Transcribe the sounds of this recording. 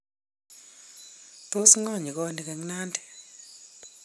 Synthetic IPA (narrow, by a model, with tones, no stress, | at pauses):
to˦sŋɔ˦˨ɲi˨kɔ˦ni˨kɛ˨ŋna˦ndɛ˨